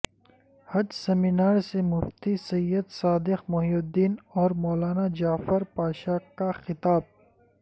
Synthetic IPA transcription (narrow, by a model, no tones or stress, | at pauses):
hɐd͡ʒseminaːɾsemʊft̪isɐjːəd̪saːd̪ɪxmoɦiːʊd̪iːnɔːɾmɔːlaːnad͡ʒaːfəɾpaːʃaːkaxɪt̪aːb̚